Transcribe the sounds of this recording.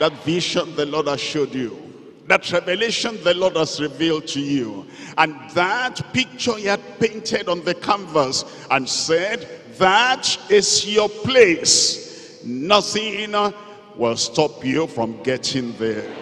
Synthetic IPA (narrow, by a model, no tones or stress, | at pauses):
ðatviʃɔ̃nðəlɔdḁʃodju | ðatʰɹɛvɛleʃɔ̃nðəlɔd̚hazɹivilˠd̚tʰuju | ə̃nðatpɪk̚t͡ʃə˞hiad̚pẽɪ̃ntʰɛdɔ̃n̩ðɨkʰɔ̃ɱvə˞s | ə̃nsɛd | ðatɪsjəples | nʌθɪ̃n | wɪlˠstɔpjufɹɔ̃mɡɛtʰɪ̃ŋðɛ